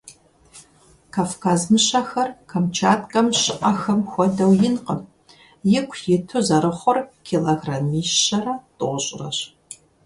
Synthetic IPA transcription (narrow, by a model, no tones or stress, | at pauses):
kʰaːfkʰaːzmɨɕɐxɐrkʰɐmt͡ʃʰaːtʼkʼɐmɕɨʔɐxɐmxʷɔdɐwjɪnqəm | jɪkʷʰjɪtʰuzɐɾɨχʷɔrkʰiloɣramiːʃːɐrɐtʼɨʁʷʊɕʼɪrɐ̰ɕ